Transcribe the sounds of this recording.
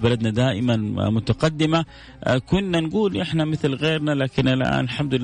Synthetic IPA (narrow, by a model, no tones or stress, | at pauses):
balad̪nad̪aːʔɪmanmʊt̪aqɑd̪ːɪma | kʊnːanɡuːlʔɪħnamɪθlɣeːɾnalaːkɪnʔalʔa̰ːnalħamd̪ʊ